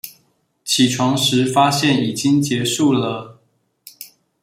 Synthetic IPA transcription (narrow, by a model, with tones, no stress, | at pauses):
t͡ɕʰi˨˩ʈ͡ʂʰwɑ˧˥ŋʂɻ̩˧˥fa˥ɕjɛ˥˩ni˨˩t͡ɕi˦ŋt͡ɕjɛ˧˥ʂu˥˩lə˩